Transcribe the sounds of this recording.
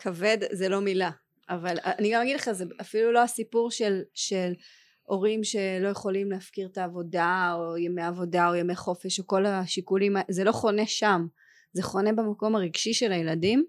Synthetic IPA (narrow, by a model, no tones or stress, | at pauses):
kʰave̞d̪zelo̞mila | ʔavalaniɡamaɡidleχazeafilulo̞asipuʁʃe̞lʃe̞l | ʔo̞ʁimʃe̞lo̞jeχo̞limleafkiʁt̪aːvo̞daojemeavo̞dao̞jemeχo̞fe̞ʃoko̞laʃikulimazelo̞χo̞ne̞ʃam | ze̞χo̞ne̞bemako̞maʁiɡʃiʃe̞lajeladim